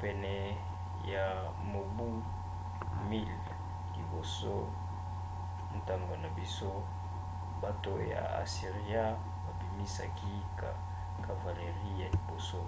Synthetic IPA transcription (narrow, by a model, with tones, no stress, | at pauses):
pɛ˨nɛ˨ | ja˨ | mo˨bu˦ | mi˦l | lḭ˨bo˨so˦ | n̩˨ta˦ŋɡo˨na˨bi˦so˦ | ba˦to˨ja̰˨a̰˨si˨ʁi˦a˦ | ba˨bi˨mi˦sa̰˨ki˦ | ka̰˨ | ka˨va˨le˨ʁi˦ja˨li˨bo˨so˦